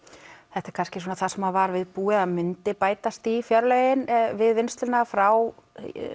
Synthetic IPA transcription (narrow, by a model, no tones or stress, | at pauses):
θɛht̪ɛɾ̥kʰanscɪsuːnaθḁsɛmavaɾvɪðpuːɪðaðmʏnt̪ɪpaːjt̪ast̪ifjœɾlœjɪnvɪðvɪnst̪lʏnafɾaw